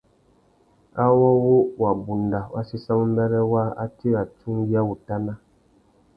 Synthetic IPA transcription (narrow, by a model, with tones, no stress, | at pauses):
a˦wɔ˦wo˦wa˨bu˨nda˨wʔa̰˦si˦sã˦mu˦m˦bɛ˦ɾɛ˦wa˦a̰˦ti˦wa˨t͡ʃũ˦ŋɡi˦a˦wu˨ta˦nã˦